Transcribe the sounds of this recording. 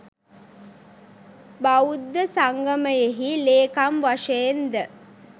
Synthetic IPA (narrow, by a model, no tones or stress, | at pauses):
baud̪ːəsaŋɡəməjeɦileːkamʋaʂejːnd̪ə